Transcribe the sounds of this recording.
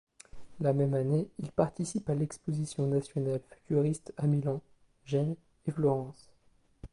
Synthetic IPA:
lamɛmaneilpaʁt̪isipalɛkspozisjɔ̃nasjɔnalfy̥t̪ʰyʁist̪amilɑ̃ | ʒɛn | eflɔʁɑ̃s

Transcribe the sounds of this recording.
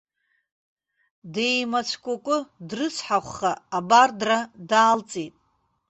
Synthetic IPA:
dejmat͡ʃʷʰkʷʼakʷʼʊdrɨt͡sʷʰħaχʷːaːbardradaːlt͡sʼitʼ

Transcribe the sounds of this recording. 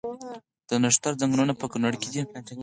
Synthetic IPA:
d̪̥ənaʂt̪aɾd͡zaŋɡɾunapəkunaɽked̪i

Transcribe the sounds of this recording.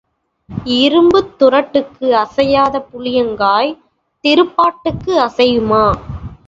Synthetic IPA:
ɪɾɯmbɯt̪ːʊrɐʈːɯkːɯɐsɐjaːðɐpʊlɪjɐŋɡaːj | t̪ɪɾɯpːaːʈːɯkːɯɐsɐjɯmaː

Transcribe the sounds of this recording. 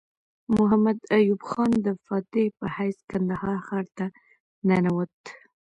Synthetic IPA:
mʊɦamad̪ajubxɑnd̪əfɑt̪epəhajskand̪ahɑɾxaɾt̪a | nanawət̪

